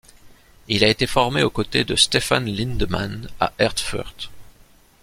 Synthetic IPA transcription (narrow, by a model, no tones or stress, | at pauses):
ilaet̪efɔʁmeokot̪ed̪əst̪efanlĩnd̪ma̰na̰ʔɛʁt̪fœ̰ʁt̪